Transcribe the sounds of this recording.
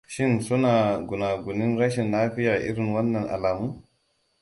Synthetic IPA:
ʃɪ˦nsʊ˦naː˨ɡʷʊ˨naː˨ɡʷʊ˨nɪ˦nɾɐ˦ʃɛ˨nlaː˦ɸɪ˦jaː˨ʔɪ̰˦ɽɪ˨ŋwɐ˦nːɐ˨ŋʔa̰˨laː˨muː˦

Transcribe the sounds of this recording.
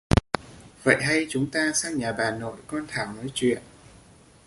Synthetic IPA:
və̰˧˨jɦa˧jt͡ɕʊ˨˦ŋ͡mt̪aː˧saː˧ŋɲaː˨˩ɓaː˨˩nːo̰˧˩˨jkɔ˧nt̪ʰaː˧˩wnɔː˨˦jt͡ɕwḭ˧˨ən

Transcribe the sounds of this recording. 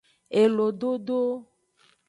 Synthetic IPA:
e˨lo˨ɖo˦ɖo˦

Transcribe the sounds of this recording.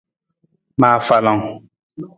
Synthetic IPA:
maː˨fa˨la˨ŋ

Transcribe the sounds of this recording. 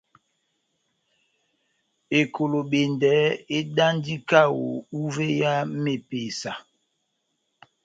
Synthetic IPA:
e˨kʰo˨lo˨ɓe˨ndɛ˨˦e˦da˦n˦di˦ka˦wo̰˨u˦ve˦ja˦me˨pe˨sa˨

